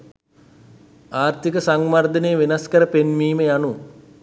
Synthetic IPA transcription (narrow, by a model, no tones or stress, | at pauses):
aːrt̪ikəsaŋmard̪ənejːʋenaskəɾəpenmiːməjanu